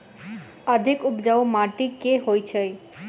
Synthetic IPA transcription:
əd̪ʱikupd͡ʒaomaʈikeɦojt͡ʃʰəj

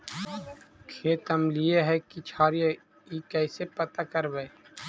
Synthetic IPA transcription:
kʰeːt̪əmlijeɦɛkit͡ʃʰaːɾjə | ikɛːsepət̪akəɾʋeː

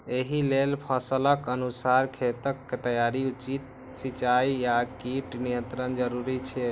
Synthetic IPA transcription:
eɦilelpʰəsələkənusaɾkʰet̪əkːet̪əjaɾiut͡ʃit̪̚ | sit͡ʃaijakiʈnijə̃nt̪ɾənd͡ʒəɾuɾit͡ʃʰɛ

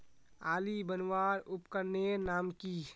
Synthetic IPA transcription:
aːlibənwaːɾupkəɾnenaːmki

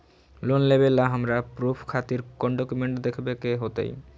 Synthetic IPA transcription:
lonlebelaɦamɾapɾupʰkʰat̪iɾkɔnɖɔkumeɳʈd̪ekʰbekeɦot̪ḛj

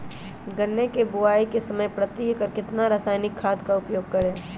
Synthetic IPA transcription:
ɡɐnːekebʊaːikesɐməjpɾɐt̪iːkəɾkɪt̪naɾaːsaːjnɪkʰːaːd̪kaʊpjoːɡ̚kɐɾẽː

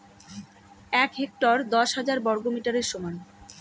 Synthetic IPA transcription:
ɛkɦek̚ʈoɾd̪ɔʃɦad͡ʑaɾbɔɾɡomiʈaɾeɾʃoman

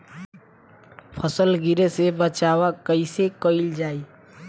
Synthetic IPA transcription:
pʰəsəlɡiɾesebət͡ʃaːwakəisekəɪld͡ʒaːi

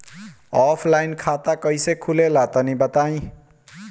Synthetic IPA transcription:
ɔpʰlajnkʰat̪akʌjsekʰulelat̪ʌnibʌt̪aj̃

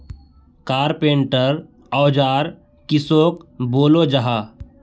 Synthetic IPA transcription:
kaːɾpeːɳʈəɾ | ɔːd͡ʒaːɾ | kɪsoːk̚boːlod͡ʒəɦaː

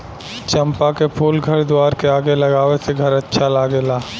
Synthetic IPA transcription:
t͡ʃɐ̃mpakepʰuːlɡʱɐɾd̪waːɾkeaːɡelɐɡaːʋeseɡʱɐɾɐtːʃʰalaːɡelaː

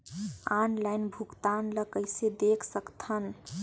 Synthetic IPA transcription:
anlajnbʱukt̪anləkəɪsed̪ekʰsəkt̪ʰən

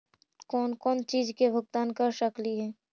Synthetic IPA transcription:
kɔːnkɔːnt͡ʃiːd͡ʒkebʱʊɡt̪aːnkaʃəkliɦɛː

